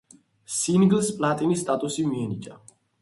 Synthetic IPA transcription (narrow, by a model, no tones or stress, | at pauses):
sinɡlspʼlat̪ʼinisːt̪ʼat̪ʼusimiɛnid͡ʒʼa